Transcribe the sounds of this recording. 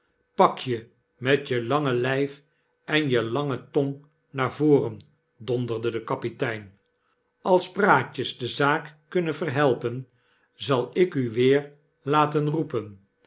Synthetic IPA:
pɑkʰjə | mɛtjəlɑŋəlɛjf | ʔɛnjəlɑŋətɔŋ | naːɹvoːrən | dɔndərdədəkɑpitɛjn | ɑlˠzpraːcəzdəzaːkːɵnənvərɦɛlˠpən | zɑlˠɪkyʋɪːɹ | laːtənrupən

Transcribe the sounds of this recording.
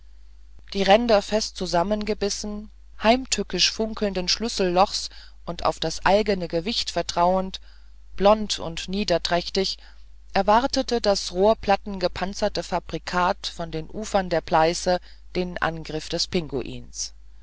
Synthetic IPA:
d̥iːʁɛndɐfɛstt͡suzamənɡəbɪsn̩ | haɪmtʰʏkɪʃfʊŋkl̩ndənʃlʏsl̩ːɔχs | ʔʊnta̰ʊfd̥asʔa̰ɪɡənəɡəvɪçtfɛɐtʁ̥aʊənt | b̥lɔntʊ̰ntniːdɐtʁ̥ɛçtɪç | ʔɛɐvaʁtətədasʁoːɐpʰl̥atn̩ɡəpʰant͡sɐtəfab̥ʁikʰaːtfɔndeːnʔuːfɐndeːɐpʰl̥aɪsə | d̥eːnʔa̰nɡʁɪfd̥ɛspʰɪŋɡo̰ʔḭːns

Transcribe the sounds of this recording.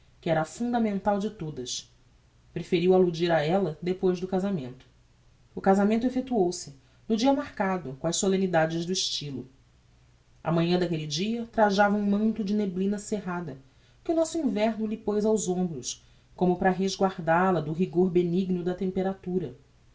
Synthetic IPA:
kɪɛɾɐfũd̪ɐmẽnt̪awd͡ʒɪt̪od̪ɐs | pɾefeɾiwalud͡ʒiɾaɛlɐd̪epojzd̪ʊkazamẽnt̪ʊ̥ː | kazamẽnt̪ʊefet̪uowsɪ | nʊd͡ʒiɐmaɾkad̪ʊkõɐʃsolẽnid̪ad͡ʒɪzd̪ʊiʃt͡ʃilʊ | ɐ̰mɐ̃ɲɐ̃d̪akelid͡ʒiɐt̪ɾaʒavɐũmɐ̃nt̪ʊd͡ʒɪneblĩnɐseɦad̪ɐ | kɪʊnɔsʊĩvɛɾnʊlɪpojzawzõmbɾʊs | kõmʊpɾɐɦezɡwaɾd̪alɐd̪ʊɦiɡoɾbeniɡnʊd̪ɐt̪ẽmpeɾat̪uɾɐ

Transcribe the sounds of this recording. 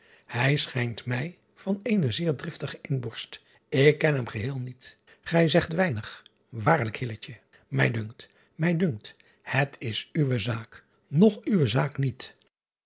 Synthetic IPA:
hɛjsχɛjntmɛj | v̥ɑnejnəzɪːɹdrɪftəχəʔɪnbɔɹst | ɪkːɛnɦɛmχəɦɪːlˠnit | χɛjzɛχtʋɛjnəχ | ʋaːɹləkhɪlət͡ʃə | mɛjdɵŋkt | mɛjdɵŋk̚t | hətʰɪsyʋəzaːk | nɔχyʋəzaːknit

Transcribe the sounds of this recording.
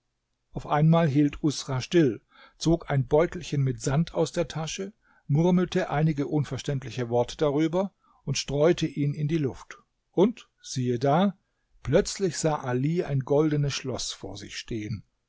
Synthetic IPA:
ʔaʊfʔaɪnmaːlɦiːltʰʔʊsʁ̥aʃtɪl | t͡soːkaɪnbɔʏtl̩çənmɪtz̥antʰaʊsd̥eːɐtʰaʃə | mʊʁml̩tʰəʔaɪnɪɡəʔʊnfɛɐʃtɛntlɪçəvɔɐtʰə̥d̥aʁyːbɐ | ʔʊntʃtʁ̥ɔʏtʰəʔiːnɪndiːlʊft | ʔʊnt | z̥iːədaː | plœt͡slɪçz̥aːʔaliːʔa̰ɪnɡɔldənəsʃlɔsfo̰ːɐzɪ̰çʃteːən

